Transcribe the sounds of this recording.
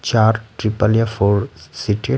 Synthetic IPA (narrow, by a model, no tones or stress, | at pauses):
t͡ʃaːɾʈɾipaljafoɾsiʈi